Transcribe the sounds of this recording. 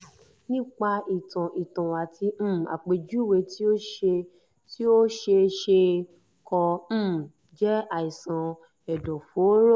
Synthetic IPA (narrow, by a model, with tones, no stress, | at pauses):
nĩ˦k͡pa˧i˨tã˨ʔi˨tã˨wa˨tʰi˧m̩̃˦˨a̰˨k͡pe˨d͡ʒu˦we˧ti˦o˦ʃe˧ | ti˦o˦ʃe˧ʃe˧ | kʰɔ̃˧˦˨ | d͡ʒɛ˦a˨i˨sã˨ | ɛ˨dɔ˨fo˨˦ɾo˦˨